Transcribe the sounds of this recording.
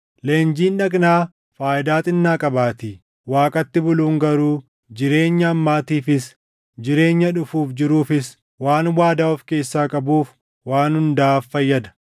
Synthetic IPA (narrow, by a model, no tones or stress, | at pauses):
leːnd͡ʒiːnᶑɐɡnaː | faːʔɪd̪aːt̪ʼɪnːaːkʼɐbaːt̪i | waːkʼɐt̪ːɪbʊluːŋɡɐɾuː | d͡ʒɪɾe̞ːɲːɐːmːaːt̪iːfɪs | d͡ʒɪɾe̞ːɲːɐᶑʊfuːfd͡ʒɪɾuːfɪs | waːnwaːd̪aːɔfke̞ːsːaːkʼɐbuːf | waːnhʊnd̪aːfːɐjːɐd̪ɐ̥